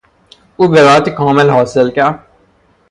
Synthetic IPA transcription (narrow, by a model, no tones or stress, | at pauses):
ubeɾaːt̪kʰɔ̃ːmelɦɔːsəlkjaː